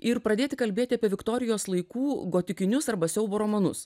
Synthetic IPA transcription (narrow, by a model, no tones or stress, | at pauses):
ɪɾpɾɐd̪ʲeːt̪ʲɪkɐlʲbʲeːt̪ʲɪɐːpʲiɛʋʲɪkt̪ɔːɾʲɪjoːslˠɐɪkuːɡoːt̪ʲɪkʲɪnʲʊsɐɾbɐsʲɛʊboːɾoːmɐnʊ̰s